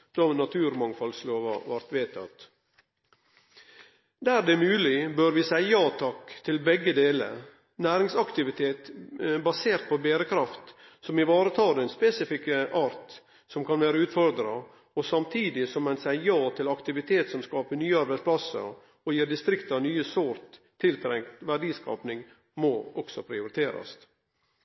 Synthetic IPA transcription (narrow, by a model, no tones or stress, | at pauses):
d̪̥ɔnɑt̪ʰʉːɾmɑŋfɑlsloːʋɑ̰ʋɑɾt̪ʋeːt̪ʰɑ̰t̪ | d̪æɾd̪ɛmʉːlɪbøːɾʋɪsæɪjɑːt̪ʰɑkːt̪ʰɪlbɛɡːəd̪eːlə̰ɾ | næːɾɪŋsɑkt̪ɪʋɪt̪ʰeːt̪bɑseːɾt̪̚pʰɔbeːɾəkʰɾɑft̪sɔmɪʋɑːɾət̪ʰɑːɾɛnspesɪfɪkəʔɑːɾt̪ | sɔmkʰɑnʋeːɾəʉːt̪fɔɾd̪ɾɑ | ɔsɑmt̪ʰiːd̪ɪsɔmɛnsæɪjɑːt̪ʰɪlɑkt̪ɪʋɪt̪ʰeːt̪sɔmskɑːpəɳyːəɑɾbæɪspʰlɑsə̰ɾ | ɔjiːɾd̪ɪst̪ɾɪkt̪ɑnyːəsoːɾt̪ʰː | ɪlt̪ʰɾɛŋkt̪ʋæɖiːskɑ̰ːpnɪŋ | mɔɔksɔpʰɾɪʊɾɪt̪ʰeːɾɑ̰st̪